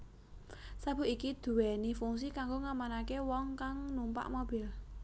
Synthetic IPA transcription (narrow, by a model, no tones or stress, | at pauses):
sab̥ṳʔikid̪̥ṳwɛnifuŋs̬ikaŋɡoŋamanakewɔŋkaŋnumpa̰ʔmob̥ɪ̤l